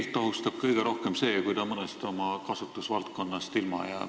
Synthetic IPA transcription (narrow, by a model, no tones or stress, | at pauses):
lt̪ːɑɦust̪ɑb̥̚kɤjɡ̥e̞ɾo̞hke̞mse̞ːkujd̪ɑmɤnest̪o̞mɑkɑsut̪ːˑusvɑlt̪̚ko̞nːɑst̪ilmɑ̰jæː